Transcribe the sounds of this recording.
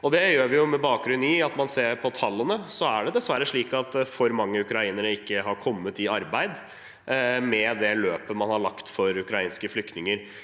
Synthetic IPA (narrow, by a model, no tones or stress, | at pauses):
ɔd̪ɛjøːɾʋɪjʊmɛbɑːk̚ɡɾʉniɑt̪mɑnseːɾpʰɔt̪ʰɑlːənəsɔæɖɛd̪ɛsʋæɾːəʂɭiːkɑt̪fɔɾmɑŋːəʉkɾɑiːnəɾəɪkːəɦɑɾkʰɔmːət̪ɪɑɾbæɪd̪ | mɛd̪ɛløːpəmɑnhɑɭɑkt̪fɔɾʉkɾɑiːnskəflʏk̚t̪nɪŋəɾ